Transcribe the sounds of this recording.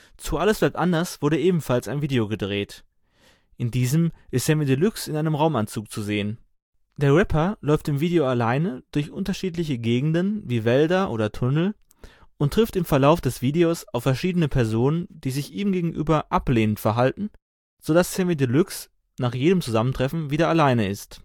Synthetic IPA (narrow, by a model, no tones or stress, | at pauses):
t͡suʔaləsb̥laɪtʔandɐsv̥ʊɐɾəʔeːbm̩falsaɪnviːdeoɡədʁeːt | ʔɪndiːzəmʔɪstsɛmidəlʏksɪnaɪnəmʁaʊmant͡suːk̚t͡suzeːən | d̥eːɐʁɛpʰɐlɔʏftɪmviːdeoalaɪnəd̥ʊɐçʔʊntɐʃiːtlɪçəɡeːɡŋ̩dənviːvɛldɐʔo̰ːdɐtʰʊnl̩ | ʔʊntʁ̥ɪftɪmfɛɐlaʊfd̥ɛsv̥iːdeosaʊfːɛɐʃiːdənəpʰɛɐzoːnənd̥iːzɪçʔiːmɡeːɡŋ̩ʔy̰ːbɐʔapleːnəntfɛɐɦaltn̩ | z̥odassɛmidəlʏks | naːχjeːɾəmt͡suzaməntʁ̥ɛfn̩viːdɐalaɪnəɪst